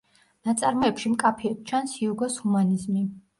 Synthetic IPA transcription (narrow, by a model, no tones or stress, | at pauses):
nat̪sʼaɾmɔɛpʃimkʼapʰiɛt̪̚t͡ʃʰansiuɡɔshumanizmi